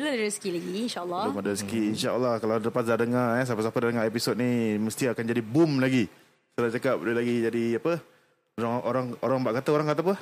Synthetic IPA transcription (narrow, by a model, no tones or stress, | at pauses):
bəlodaɾisə̥kilaɡiinʃaʔəlːɔlomadaɾisə̥kiinʃaʔə̰lːɑhkaladaləpasdardəŋaas̬apasapadadəŋaepisot̪̚niməst̪iakand͡ʒadibumlaɡi | t̪əlat͡ʃakap̚dəlaɡid͡ʒadiapə | oɾaŋʔoɾaŋoɾaŋbaʔkat̪aoɾaŋkat̪aapə